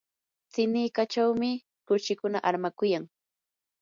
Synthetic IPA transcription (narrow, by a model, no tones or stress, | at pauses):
t͡sɪniːkat͡ʃawmɪ | kʊʃɪkʊnaʔaɾmakʊjaŋ